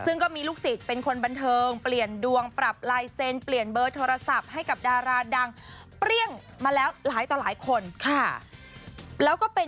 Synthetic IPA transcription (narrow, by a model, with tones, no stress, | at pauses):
sɯ˥˩ŋkɔː˥˩miː˧luː˥˩k̚si˨˩t̪̚pe˧nkʰo˧nba˧nt̪ʰɤː˧ŋpli˨˩əndu˧əŋpɾa˨˩p̚laː˧jse˧npli˨˩ənbɤː˧t̪ʰoː˧ɾa˧sa˨˩p̚ha˥˩jka˨˩p̚daː˧ɾaː˧da˧ŋ | pɾi˥˩əŋ | maː˧lɛː˦˥wlaː˩˦jt̪ɔː˨˩laː˩˦jkʰo˧nkʰa˥˩ | lɛː˦˥wkɔː˥˩pe˧